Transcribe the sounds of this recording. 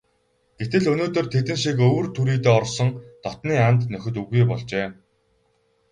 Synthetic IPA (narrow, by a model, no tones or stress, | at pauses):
ɡ̥et̪ɘ̆ɮɵnoːt̪ɵ̆rt̪ʰet̪ɘ̆nʃikɵwrt̪ʰuɾiːt̪eːɔrsɞ̆ŋt̪ɔt̪niːant̪nœxʲɵ̆t̪uɣujpɔɮt͡ɕeː